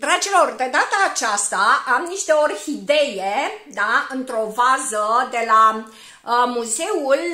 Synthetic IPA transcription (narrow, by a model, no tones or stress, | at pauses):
d̪ɾad͡ʒilo̞rʲd̪e̞d̪at̪əːt͡ʃast̪aʔamniʃt̪eo̞rhid̪e̞jed̪aɨnt̪ɾo̞vazəd̪e̞la | muze̞ul